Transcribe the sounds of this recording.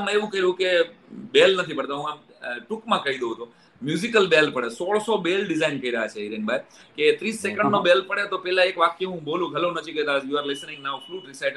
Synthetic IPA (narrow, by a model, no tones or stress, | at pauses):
m̃eʋũkəɦiɾũkebelnət̪ʰipəɽt̪aɦũam | ʈukmãkəɦid̪oɦət̪o | mjuzikəlbelpəɽesoɭsobelɖɪzainkəɦiɾəɦat͡ʃʰeiɾenbʱajket̪ɾisːekə̃ɳɖnobelpəɽet̪opɛlãekʋak̚eɦũbolũɡʱəlonəd͡ʒikəɦt̪ad͡ʒjuaɾlɪsnɪ̃ŋɡnafluːʈɾɪsajʈ